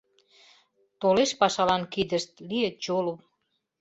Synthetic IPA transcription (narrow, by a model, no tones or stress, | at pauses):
t̪oleʃpɑʃɑlɑnkid̪ə̆ʃt̪̚liət͡ɕolom